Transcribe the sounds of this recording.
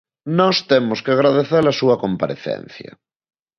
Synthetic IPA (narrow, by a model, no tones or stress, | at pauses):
nɔst̪emʊskeaɣɾaðeθelɐsuɐkompaɾḛθɛ̰n̟θjɐ̰